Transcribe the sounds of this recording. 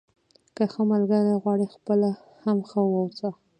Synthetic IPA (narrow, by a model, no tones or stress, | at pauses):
kəxəmalɡaɾajɣwɑɽixpəla | hamxəwawt͡sa